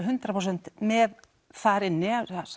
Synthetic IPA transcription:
ɦʏnt̪ɾapʰɾows̬ɛnt̪mɛð | θaɾɪnːɪas

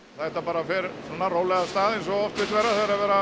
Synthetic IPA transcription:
θaɛt̪apaːɾafɪɾsɔnːaroːwlɛɣast̪aːðejnsɔɣɔft̪vɪt̪vɛɾaθeɾavɛːɾa

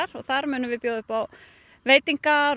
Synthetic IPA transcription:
ɾɔɣθaɾmʏːnʏmvɪðpjoːðʏhpaw | veːjt̪iŋkaɾ

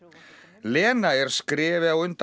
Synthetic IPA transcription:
lɛːnaɛɾ̥skɾɪːvɪawʏnt̪

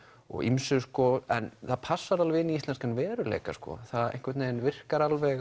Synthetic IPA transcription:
ɔ̰ɣḭmsʏskɔɛnθaðpʰasːaɾalvɪniist̪lɛnskanvɛːɾʏlḛːjkaskɔ̰θaðḛjŋ̥kvɛt̪neːjnvɪr̥kaɾalvɛ

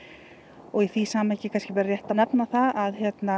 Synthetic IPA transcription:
ɔɣiθvisaːmɛjcɪkʰanscɪvɛɾarjɛht̪anɛpnaθaðaðhçjɛt̪na

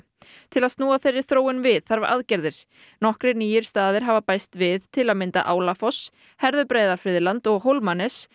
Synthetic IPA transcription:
t̪ʰɪlaðst̪nuːaθejrːɪ̥θɾoːwɪnvɪðθaɾvaɾʔa̰ðcɛɾðɪɾ̥ | nɔhkɾɪniːjɪɾ̥st̪aːðɪɾ̥ɦavapaːjst̪vɪðt̪ʰɪlaðmɪnt̪a̰ʔaːwlafɔs | hɛɾðʏpɾeːjðaɾ̥fɾɪðlant̪ɔɣɦowlmanɛs

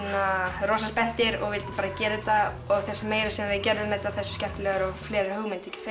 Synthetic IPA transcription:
naroːwsaspɛn̥t̪ɪɾɔ̰ɣvɪlt̪ɪ̥paːɾacɛːɾɪt̪a | ɔɣθɛsameːjɾḁsɛmvɪðcɛɾðʏmɛt̪ːaðθɛsʏ̥scɛm̥t̪lɛːɣʏɾɔflɛːɾɪɾhœɣmɪnt̪ɛcːɪ̥f

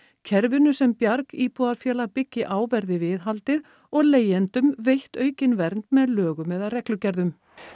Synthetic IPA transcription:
cʰɛɾvɪnʏsɛmpjaɾkiːpɔːðaðfjɛːlapɪcːɪʔaːwvɛɾðɪvɪðɦalt̪ɪð | ɔɣleːjɛnt̪ʏmvejht̪œːɥcɪnvɛɾnt̪mɛðlœːɣʏmɛðarɛklʏcɛɾðʏm

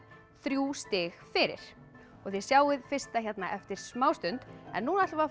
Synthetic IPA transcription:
θɾjuːst̪ɪːɣfɪɾɪ̰ɾ̥ | ɔɣθɛɾ̥sjaːwɪðfɪr̥st̪açjɛt̪naʔɛft̪ɪɾ̥smaːwst̪ʏnt̪ɛ̰nːuːnat̪va

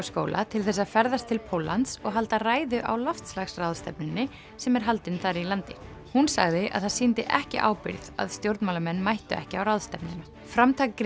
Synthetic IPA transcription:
sko̰ːwlʔa̰t̪ʰɪlθɛsːaðfɛɾðast̪ʰːɪlpʰowlːant̪sɔɣɦalt̪araːjðʏʔa̰wlɔft̪slaxsrawðst̪ɛ̰pnɪnːɪ | sɛmɛɾ̥ɦalt̪ɪnθaɾɪilant̪ɪ | hunsa̰ɣðɪʔa̰ðθað̥siːnt̪ɪʔɛhcɪʔa̰ːwpɪ̰ɾða̰ðst̪jowɾt̪nmaːlamɛnːmajht̪ʏɛ̰hcɪawrawðst̪ɛpnɪn | fɾamt̪ʰak

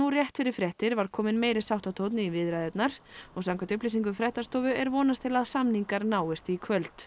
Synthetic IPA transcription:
urjɛht̪fɪɾɪɾ̥fɾɛht̪ɪɾvaɾ̥kʰɔːmɪnmeːjɾɪsawht̪at̪ʰowt̪nɪivɪðɾajðɛt̪naɾ̥ɔɣsawŋkʰant̪ʏhplis̬iŋk̬ʏfɾɛht̪ast̪ɔːwvʏɛɾvɔːnast̪ʰɪlaðsamniŋkaɾnaːwɪst̪ikʰvœlt̪

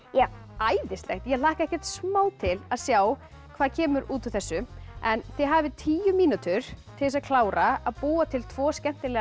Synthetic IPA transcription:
ja | aːjðɪst̪lɛ̰xt̪jɛlaːhkaɛhkcɛr̥t̪smaːwt̪ʰɪlaðsjaːw | kʰv̥aːðcʰɛːmʏɾuːt̪ʏθɛsːʏɛnθɪɦaːvɪt̪ʰiːjʏmiːnut̪ʏɾ̥t̪ʰɪsaðkʰlaːwɾaaðpuːat̪ʰɪlt̪ʰvɔːscɛm̥t̪ɪlɛː

